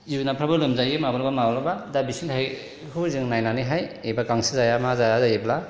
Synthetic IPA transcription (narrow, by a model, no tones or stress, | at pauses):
junapʰɾabalɯmzajɯmabaɾbamablabadabisintʰaj | hɯzɯŋnajnaniɦajejbakaŋsizajamazajazajebla